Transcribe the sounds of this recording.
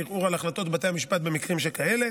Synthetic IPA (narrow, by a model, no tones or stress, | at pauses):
iʁuʁalaχlat̪o̞t̪bat̪ejamiʃpat̪̚be̞mikʁimʃelkaele̞